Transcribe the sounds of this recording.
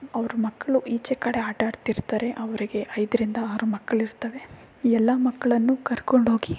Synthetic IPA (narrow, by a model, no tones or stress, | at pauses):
ɐʋɐɾumɐkːɐɭuʔiːt͡ʃekːɐɽeaːʈaːɽt̪iɾt̪aːɾeʔɐʋɐɾiɡe̞ʔɐjd̪ɐɾind̪ɐːɾumɐkːɐɭiɾt̪ɐʋe̞ | ɛlːɐmɐkːɐɭɐnːukɐɾko̞ɳɖɦo̞ːɡi